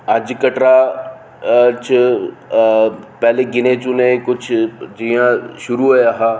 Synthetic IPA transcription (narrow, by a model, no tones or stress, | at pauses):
ɐd͡ʒkɐʈɾa | t͡ʃʊ | pɛleɡɪnet͡ʃunẽkʊt͡ʃʰd͡ʒijãʃʊɾuɦojaɦaː